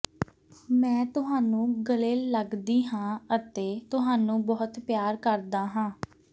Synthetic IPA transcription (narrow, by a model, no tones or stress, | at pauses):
mɛ̃ːt̪ʊɦaːnũːɡəleːlːəɡd̪iːɦãːət̪eːt̪ʊɦaːnũːbɔːʊt̪pjaːɾkəɾd̪aːɦãː